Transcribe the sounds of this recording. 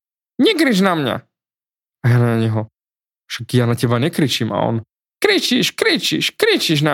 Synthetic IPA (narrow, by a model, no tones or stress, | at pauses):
ɲɛkɾiʒnamɲa̰ | ajaːnanaɲɛɦɔ | fʃakjaːnacɛbaɲɛkɾit͡ʃima̰ɔ̰n | kɾit͡ʃiʃkɾit͡ʃḭʃkɾit͡ʃiʒna